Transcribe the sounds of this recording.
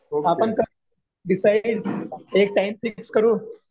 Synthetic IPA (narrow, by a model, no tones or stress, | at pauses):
aːpənkə | ɖɪsaɪɖeːk̚ʈaɪmsikskəɾuː